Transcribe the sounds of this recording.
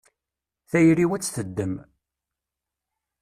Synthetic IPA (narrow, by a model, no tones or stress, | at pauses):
θæjɾiwæt͡sːθəd̪ːəm